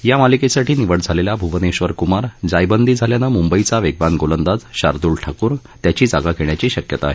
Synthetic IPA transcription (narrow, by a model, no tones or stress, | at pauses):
jamalikesaʈʰiːniʋəɽd͡zʱalelabʱuʋəneɕʋəɾkumaɾd͡zajbənd̪ʱiːd͡zʱaljanamumbəit͡saʋeɡʋanɡolənd̪ad͡zɕaɾd̪uɭʈʰakuːɾ | t̪jat͡ɕiːd͡zaɡakeɳ̃jat͡ɕiːɕəkjət̪aːɦe